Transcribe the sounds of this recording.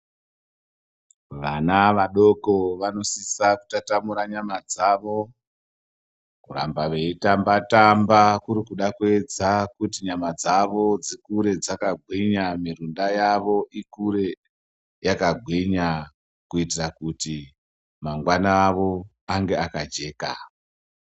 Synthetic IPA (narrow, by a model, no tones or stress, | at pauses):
ʋanaʋaɗo̞koʋano̞sisaku̥tatamuɾaɲamad͡zaːʋo̞ | kura̰mbaʋe̞itambatambakuɾikuɗakue̞d͡zakutiɲamad͡zaʋo̞d͡zikuɾe̞d͡zakaɡʱwiɲamirundajaʋo̞ʔikuɾe̞ | jakaɡʱwiɲa | kuitirakuti | maŋɡwanaːʋo̞ | aŋɡe̞akad͡ʒe̞ːka̰